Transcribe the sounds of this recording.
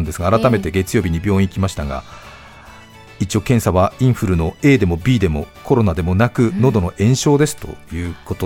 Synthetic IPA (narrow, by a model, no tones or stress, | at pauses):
nd̪e̞sɨɡaːɾat̪ame̞t̪e̞ɡe̞t͡sɨ̥jo̞ːbʲiɲ̟ibʲo̞ːĩikʲimaɕi̥t̪aɡa̰ | it͡ɕio̞kẽ̞ɰ̃saβ̞aĩɰ̃ɸɯ̟ɾɯ̟no̞e̞ːd̪e̞mo̞bʲiːd̪e̞mo̞ko̞ɾo̞nad̪e̞mo̞nakɯ̟no̞d̪o̞no̞ʔẽ̞ɰ̃ɕo̞ːd̪e̞sɨ̥t̪o̞̰jɯ̟ːko̞t̪o